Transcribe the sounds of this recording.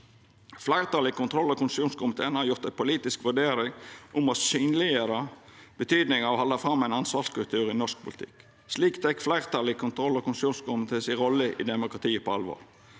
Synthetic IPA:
flæɪʁt̪ɑlɪkʰʊnt̪ʰɾɔlːɔkʊnsuːnskʊmɪt̪ʰeːənhɑɾjʊɾt̪æɪpʰʊliːt̪ɪskʋʉɖeːɾɪŋʔʊmɔsyːnlɪəɾəb̥ət̪ʰyːd̪nɪŋɑɔhɑlːɑfʁɑmːæɪnɑnsʋɑːʁskʉlt̪ʰʉːʁɪnɔʂk̚pʰʊlt̪ʰɪ̰k | sliːkt̪ʰɛkflæɪʁət̪ʰɑlɪkʰʊnt̪ʰɾɔlːɔkʰʊnsuːnskʊmɪt̪ʰeːsɪʁɔlːəʔɪ̰d̪ɛmʊkʁɑt̪ʰiːəpɔɑlʋo̰ːʁ

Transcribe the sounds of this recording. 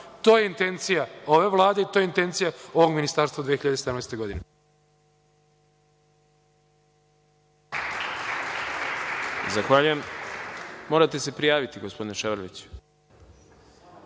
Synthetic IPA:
t̪o̞jeint̪e̞nt̪sijao̞ʋe̞ʋlˠaːd̪e̞it̪oːjeint̪e̞nt̪sijao̞ʋo̞ɡminist̪aːɾst̪ʋad̪ʋijeiʎad̪esed̪amnɛːst̪eɡo̞d̪ine | zaxʋaːʎujemː | o̞ːɾat̪ese̞pɾijaːʋit̪iɡospo̞d̪ineʃeʋɾlit͡ɕ

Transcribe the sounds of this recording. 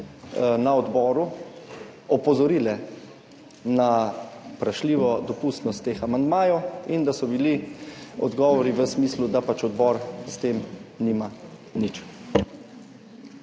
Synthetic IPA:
naɔd̪bɔːɾu | ɔpɔzɔɾiːlɛ | napɾaʃliːʋɔd̪ɔpust̪nɔst̪ːeːxamand̪maːjɔwind̪asɔbiliɔ̰d̪ɡɔːʋɔɾiʋəsmiːslud̪apat͡ʃɔd̪bɔːɾst̪eːmnima | nit͡ʃ

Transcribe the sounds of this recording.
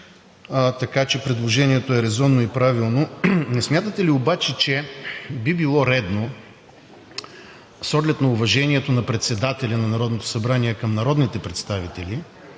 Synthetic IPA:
t̪ɐkat͡ʃɛpɾɛd̪lˠoʒɛniɛt̪oɛɾɛzɔnːoipɾavilˠnonɛsmʲjat̪ət̪ɛliobat͡ʃɛt͡ʃɛbibilˠɔɾɛd̪no | sɔɡlɛt̪nɐʊvɐʒɛniɛt̪onɐpɾɛt̪sɛd̪at̪ɛlʲɐnɐnɐɾɔd̪not̪o̥sɐbɾaniɛkɐmnɐɾɔd̪nit̪ɛpɾɛt̪st̪avit̪ɛli

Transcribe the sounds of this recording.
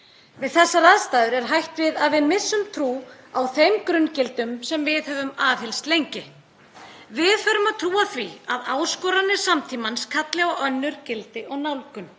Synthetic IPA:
vɪðθɛsːaɾaðst̪aːðʏɾɛɾ̥ɦajht̪vɪðaðvɪðmɪsːʏmt̪ʰɾuː | awθejmkɾʏncɪlt̪ʏmsɛmvɪðhœvʏmaːvhɪlst̪lejɲcɪ | vɪðfœɾʏmat̪ʰɾuːaθviaðaːwskɔːɾanːɪ̥samt̪ʰiːmanskʰat̪lɛɣaʔœnːʏɾ̥cɪlt̪ɪʔɔɣnawlkʏm

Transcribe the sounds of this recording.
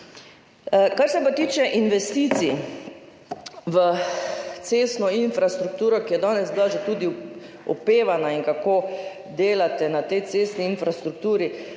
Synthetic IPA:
kaɾsɛpat̪iːt͡ʃɛʔinʋɛst̪iːt̪si | ʋə | t̪seːst̪nɔinfɾast̪ɾuk̚t̪uːɾɔkijɛd̪ɔːnɛzbilaʒet̪uːd̪i | ɔpeːʋanaiŋkakoː | d̪eːlat̪ɛnat̪ɛjt̪sest̪niinfɾast̪ɾuk̚t̪uːɾi

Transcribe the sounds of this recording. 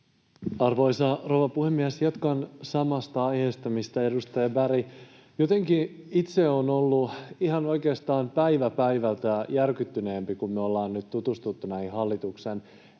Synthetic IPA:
ɑrʋo̞jsɑrowʋɑpuhemːiæsjɑt̪kɑnsɑmɑst̪ɑɑjheːst̪ɑmist̪ɑe̞dust̪ɑjɑbæɾi | jot̪e̞ŋki | it̪se̞onolːuihɑno̞jke̞ːst̪ɑːmpæiʋæpæiʋælt̪æjærkyt̪ːyne̞ːmpikumːyøo̞lːɑːnnyt̪tut̪ust̪ut̪ːunæhihɑlːit̪uksen

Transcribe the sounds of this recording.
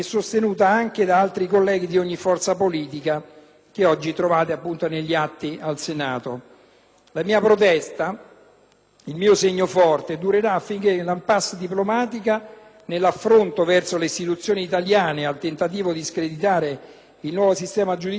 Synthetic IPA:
ɛsːost̪enuːt̪aaŋk̟ed̪aalt̪ɾikolːɛːɡid̪ioɲːifɔrt̪sapoliːt̪ika | k̟eɔd͡ʒːit̪ɾovaːt̪eapːunt̪oneʎːiat̪ːialsenaːt̪o | lamiːapɾot̪ɛst̪a | ilmiːoseɲːofɔrt̪ed̪uɾeɾaːfːiŋk̟elampasːd̪iplomaːt̪ika | nelːafːɾont̪ovɛrt̪soleist̪it̪ut̪sːjoːniːt̪aljaːnealt̪ent̪at̪̬iːvod̪iskɾed̪it̪aːɾe | ilnwɔːvosist̪ɛːmad͡ʒud̪

